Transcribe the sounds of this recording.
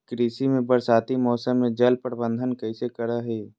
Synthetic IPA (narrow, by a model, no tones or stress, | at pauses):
kɾiːsimẽbəɾsaːt̪imɔːsəmːẽd͡ʒəlpəɾbə̃nd̪ʱənkəisekəɾaɦeː